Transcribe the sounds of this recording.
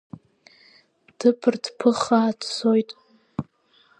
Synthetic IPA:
d̥ɨpʰɨrdpʰɨχaːtʰsojtʼ

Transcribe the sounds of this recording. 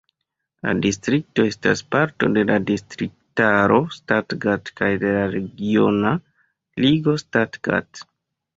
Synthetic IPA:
la̰distɾik̚to̞e̞staspaɾto̞̰de̞ladistɾik̚taɾo̞statɡatkajde̞laɾe̞ɡio̞na | liɡo̞statɡ̥a̰t

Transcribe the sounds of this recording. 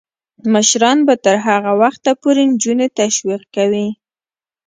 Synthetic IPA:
məʃɾɑnbat̪əɾɦaɣawaxt̪apoɾend͡ʒunet̪aʃwiq̚kawi

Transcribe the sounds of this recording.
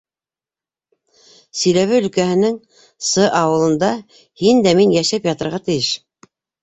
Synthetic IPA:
sɵ̆jlæβɘɵ̆lkæɦɘ̆nɘŋ | sɤʔɑwɤ̆lˠɤ̆nd̪ɑ | hind̪æminjæʃæpjɑt̪ɤ̆ɾʁɑt̪ɘ̆jɘʃ

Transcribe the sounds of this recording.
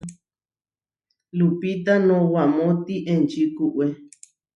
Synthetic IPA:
lupit̪anõwamõt̪iʔẽnt͡ʃikuʔwe

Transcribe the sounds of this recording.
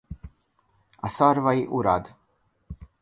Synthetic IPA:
asaɾvaiʔuɾad̪

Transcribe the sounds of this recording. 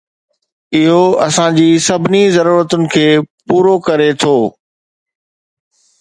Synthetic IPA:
ɪɦoɐsãd͡ʑiːsɐbʱɪnizɐɾuːɾət̪ʊnɪ̆kʰeːpuːɾokɐɾet̪ʰoː

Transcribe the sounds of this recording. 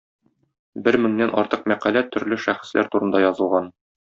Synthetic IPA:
bɘɾmɘ̆ŋnænʔɒ̰ɾt̪ɤq̚mæqælæt̪ɵ̆ɾlɘʃæχɘ̥̆slæ̰ɾt̪uɾɤ̆nd̪ɑjɒzɤ̆lˠʁɑn

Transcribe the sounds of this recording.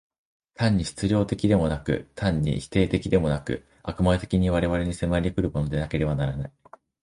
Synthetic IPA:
t̪ʰãɲ̟ːiɕi̥t͡sɨɾʲo̞ːt̪e̞kʲid̪e̞mo̞nakɯ̟̰t̪ʰãɲ̟ːḭçi̥t̪e̞ːt̪e̞kʲid̪e̞mo̞nakɯ̟̰ | akɯ̟maet̪e̞kʲiɲ̟iβaɾe̞βaɾe̞ɲ̟isemaɾʲikɯ̟ɾɯmo̞no̞d̪e̞nake̞ɾe̞βanaɾanai

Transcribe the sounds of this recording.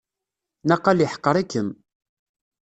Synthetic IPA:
nɑqːɑljəħə̥qːəɾˤikːəm

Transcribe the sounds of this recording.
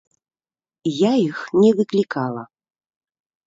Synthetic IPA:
jajixnʲɛvɨklʲikalˠɐ

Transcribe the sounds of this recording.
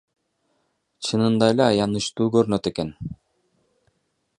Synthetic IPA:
t͡ʃʰɯnɯnd̪ɑelʲeːjɑnɯʃt̪uːɡøɾnøt̪eken

